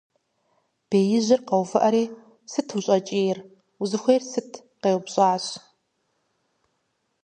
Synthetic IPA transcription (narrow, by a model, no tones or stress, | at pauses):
b̥eːjɪʑɪrqɐwfɨʔɐɾiː | sɨtʰuɕʼɐt͡ʃʼeːjɪr | uzɨxʷejrsɨtʰ | qeːwbɕʼaːɕ